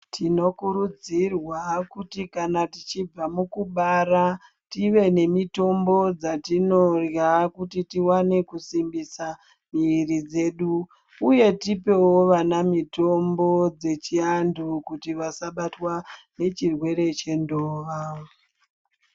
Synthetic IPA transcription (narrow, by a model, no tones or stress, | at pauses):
tʰino̞kuɾud͡zirwakutikanatit͡ʃib͡vamukuɓaɾa | tiʋe̞ne̞mito̞mbo̞d͡zatino̞rjakutitiwane̞kusimbisa | mirid͡ze̞ɗuː | je̞tipe̞woʋanamito̞mbo̞d͡ze̞t͡ʃiandukutiʋasaɓatwa | ne̞t͡ʃirwe̞ɾe̞t͡ʃe̞ndoːʋao